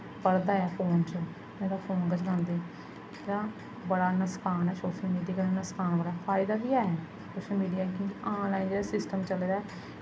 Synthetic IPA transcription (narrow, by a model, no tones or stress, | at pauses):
pəɽd̪aːɛːpʰoːnt͡ʃə | meːɾaːpʰoːnɡət͡ʃɡãnd̪eː | ɾãː | bəɽaːnəskaːnɛːsoːʃəlmiːɖijaːɡəɽaːnəskaːnbəɽaɛpʰaːɪd̪aːbiːaːɛː | soːʃəlmiːɖijaːkĩːd͡ʒʔãːnlaːind͡ʒeːɽaːsɪsʈəmt͡ʃəleːd̪aɛː